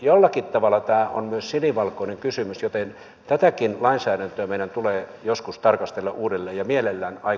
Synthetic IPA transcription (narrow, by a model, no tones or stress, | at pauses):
jolːɑkit̪t̪ɑʋɑlːˑɑt̪æːo̰nmyøssiniʋɑlkoineŋkysymysjot̪en | t̪æt̪ækinlɑinsæːɾænt̪øæmeˑiɾænt̪uleːjoskust̪ɑrkɑst̪elːɑʔuːdelːeːjjɑmielelːæːnɑi